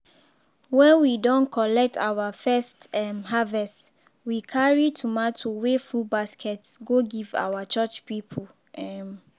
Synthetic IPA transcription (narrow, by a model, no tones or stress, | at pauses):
wɛ̃nwidɔ̃nkʰɔlɛk̚tʰa̰wafɛstɛmɦavɛst | wikʰaɹitʰumatʰuwefubaskʰɛtsɡoɡiva̰wat͡ʃat͡ʃpipʰu | ʔɛm